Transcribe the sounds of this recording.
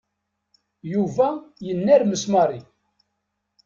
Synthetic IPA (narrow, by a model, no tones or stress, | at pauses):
juvæjənːæɾməsmɑɾˤi